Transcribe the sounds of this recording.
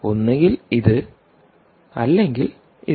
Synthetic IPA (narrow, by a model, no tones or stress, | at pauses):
o̞nːeŋɡiliðɨ | ɐlːe̞ŋɡil | i